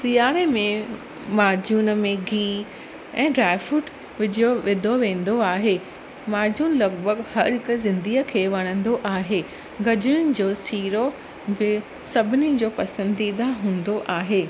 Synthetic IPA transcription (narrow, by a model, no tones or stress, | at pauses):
sijaːɾemẽ | maːd͡ʑuːnəmẽɡʱiː | ɛ̰̃ːɖɾaːɪfuːʈ | ʋɪd͡ʑijoʋɪd̪ʱoʋẽːn̆d̪oaːɦeː | maːd͡ʑuːnlɐɡ̚bʱəɡhɐɾɦɪkʊzɪ̃nd̪iːəkʰeːʋɐɽ̃ə̃nd̪oʔaːɦeː | ɡɐd͡ʑʊɽ̃ʊnɪ̆d͡ʑoːsiːɾo | bɪ | sɐbʱɪnɪd͡ʑoːpɐsə̃nd̪id̪aɦũːn̆d̪oʔaːɦeː